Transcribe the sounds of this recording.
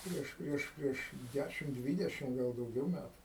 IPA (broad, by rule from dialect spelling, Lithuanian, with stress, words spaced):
ˈpʲrʲiɛʃ ˈpʲrʲiɛʃ ˈpʲrʲiɛʃ ˈdʲæʃʲɪm ˈdʲʋʲiːdʲɛʃʲɪm ˈɡɐlˠ dɐʊˈɡʲɛʊ ˈmʲætʊ